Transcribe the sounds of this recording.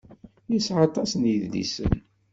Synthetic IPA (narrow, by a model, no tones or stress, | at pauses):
jisʕɑt̪ˤːɑsnjiððḭsə̰n